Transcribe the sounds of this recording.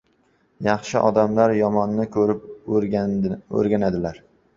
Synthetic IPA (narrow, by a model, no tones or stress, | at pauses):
jɑχʃɪʔɒd̪amlaɾjɒmɒnːɪkʰɵɾɪp̚ | ɵ̰ɾɡʲanad̪ɪlaɾ